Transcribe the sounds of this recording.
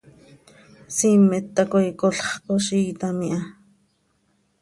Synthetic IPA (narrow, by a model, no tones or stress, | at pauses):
simːet̪ːakojkoɬχqoʃiːt̪amiʔa